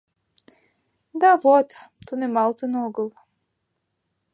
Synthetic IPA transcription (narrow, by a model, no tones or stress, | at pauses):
d̪avot̪t̪unɛmalˠt̪ɨnoɡəlˠ